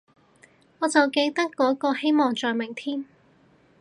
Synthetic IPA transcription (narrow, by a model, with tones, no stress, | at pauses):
ŋɔː˨˧t͡sɐ˨wke˧jt̪ɐ˥kːɔː˨˥kɔː˧he˥jmɔː˨ŋt͡ʃɔː˨jmɪ˨˩ŋt̪ʰiː˥m